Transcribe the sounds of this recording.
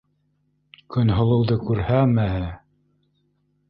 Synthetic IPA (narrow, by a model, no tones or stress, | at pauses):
kɵnɦŏlˠɤ̆wðɤkʉɾhæmæhɘ